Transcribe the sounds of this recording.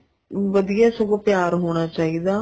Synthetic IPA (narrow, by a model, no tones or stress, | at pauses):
ʋəd̪ijaːsəɡoːpjaːɾɦoːɽ̃aːt͡ʃaːiːd̪aː